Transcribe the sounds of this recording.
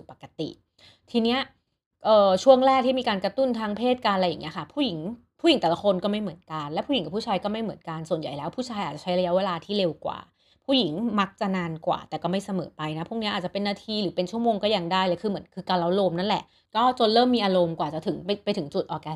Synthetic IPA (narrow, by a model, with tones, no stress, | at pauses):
spa˨˩kːa˧t̪ḭ˨˩ʔ | t̪ʰiː˧ni˦˥ɐ | ʔɤː˨˩t͡ɕʰu˥˩əŋɾɛː˥˩k̚t̪ʰiː˥˩miː˧kaː˧nkɾa˧t̪u˥˩nt̪ʰaː˦˥ŋpʰeː˥˩t̪̚kaː˧nla˧ja˨˩ŋːni˦˥ɐkʰa˥˩pʰuː˥˩ji˩˦ŋ | pʰu˥˩ji˩˦ŋt̪ɛː˨˩la˦˥xʰo˧nkɔː˥˩ma˥˩jmɯ˨˩˦ənka˧nlɛː˦˥pʰu˥˩i˩˦ŋka˨˩pʰuː˥˩aː˧jkɔː˥˩ma˥˩jmɯ˩˦ənka˧nsu˨˩ənja˨˩jlɛː˦˥wpʰuː˥˩t͡ɕʰaː˧jʔaː˨˩t͡ɕa˨˩t͡ɕʰa˦˥jɾa˧ja˦˥weː˧laː˧t̪ʰiː˥˩le˧wkwa̰ː˨˩ | pʰuː˥˩ji˩˦ŋma˦˥k̚t͡ɕa˨˩naː˧nkwa̰ː˨˩t̪ɛː˨˩kɔː˥˩ma˥˩jsa˧mɤ̰ː˩˦pa˧jna˦˥pʰu˥˩kni˦˥aː˨˩t͡ɕa˨˩pe˧nːaː˥˩t̪ʰiː˧ɾɯː˩˦pe˧nt͡ɕʰu˥˩əmoː˧ŋkɔ˥˩ja˧ŋdaː˥˩jlɛ˨˩kʰɯː˧mɯ˩˦ənkʰɯː˧kaː˧la˦˥wloː˧mna˦˥˩lɛ˨˩ʔ | kɔː˥˩t͡ɕo˧nlɤː˥˩mːiː˧ʔaː˧ɾo˧mkwaː˨˩t͡ɕa˨˩t̪ʰɯ˩˦ŋ˧pa˧jt̪ʰɯ˩˦ŋt͡ɕu˨˩t̪̚ʔɔː˧kɛː˧˦˩